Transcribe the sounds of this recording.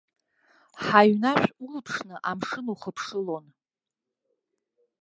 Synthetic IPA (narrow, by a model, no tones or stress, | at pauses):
ħaɥnaʃʲʷulpʰʂnɨʔamʂɨnuχəpʰʂɨlo̞n